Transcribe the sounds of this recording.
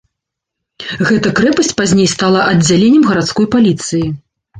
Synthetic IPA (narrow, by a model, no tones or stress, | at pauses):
ɣɛt̪ɐkɾɛpɐsʲt͡sʲpazʲnʲejst̪alˠɐʔɐd͡zʲalʲenʲːɛmɣɐɾat̪skɔjpalʲit̪sɨji